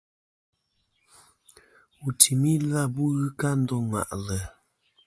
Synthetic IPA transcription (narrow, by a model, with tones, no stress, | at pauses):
u˨tʰi˨mi˦la˦˨bu˦ɣɯ˦ka˦n̩˦dɔ˦ŋwa̰˨ʔlə˨